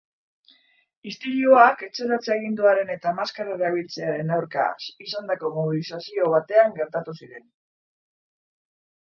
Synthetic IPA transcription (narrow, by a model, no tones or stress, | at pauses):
ist̪iɾjoake̞t͡se̞ɾat͡seeɣ̞ind̪uaɾe̞ne̞t̪amaskaɾaaβ̞ilt͡se̞aɾe̞nawɾka̰sisand̪ako̞moβilisasio̞β̞at̪e̞aŋɡe̞ɾt̪at̪usiɾe̞n